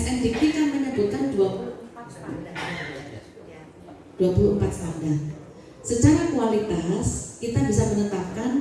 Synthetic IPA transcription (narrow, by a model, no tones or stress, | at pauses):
ɛsɛnd̪ikikanməɲəbut̪̚kandua | d̥uapuluəmpat̪̚saŋda | sət͡ʃaɾakualit̪askit̪abisamənət̪ap̚kan